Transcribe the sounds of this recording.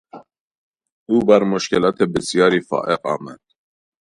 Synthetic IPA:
uːbæɾmʊʃkɛlɑːt̪ʰɛbɪsjɑːɾiːfɑ̰ːʔɛqʼɑ̰ːmæd̪̥

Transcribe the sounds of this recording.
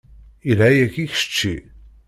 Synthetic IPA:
ilæjækːiçə̥ʃə̥t͡ʃːi

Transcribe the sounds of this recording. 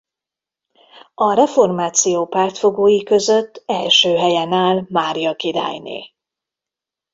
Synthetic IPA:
ɒɾɛfo̞rmaːt̪sijoːpaːrt̪fo̞ɡoːjikø̞zø̞t̪ːɛlʃøːɦɛjɛnaːlmaːɾijɒkida̰ːjnḛː

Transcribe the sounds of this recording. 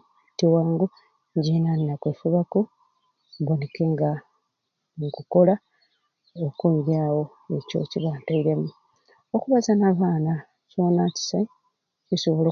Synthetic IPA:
tiwaːŋɡu | ɲɟenanːakweːfuβako | βoneke̞ŋɡa | ŋkuko̞la | okuiɾaːwo̞ | e̞co̞̰ciβantaiɾemu | okuβazanaβaːna | t͡ʃoːnaci̥sa | isoβolo

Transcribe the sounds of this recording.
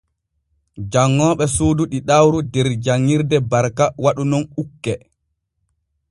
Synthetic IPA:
d͡ʒaŋːɔːɓɛsoːduɗiɗawɾudɛɾd͡ʒaŋːiɾdɛbaɾkawaɗunɔnukːɛ

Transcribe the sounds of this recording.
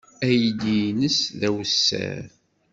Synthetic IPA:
æjd̪inəsðæwəsːæ̰ɾ

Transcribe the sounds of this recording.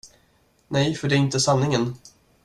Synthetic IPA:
nɛjfœɖɛæɾɪnt̪əsanːɪŋən

